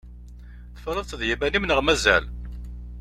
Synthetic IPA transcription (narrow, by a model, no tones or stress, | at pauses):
θəfɾˤəðˤt̪ðjimænimnəʁmæzæ̰l